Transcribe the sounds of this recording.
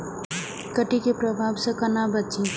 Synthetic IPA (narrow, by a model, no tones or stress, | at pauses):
kəʈikepɾəbʱabsʌ̃kənabət͡ʃi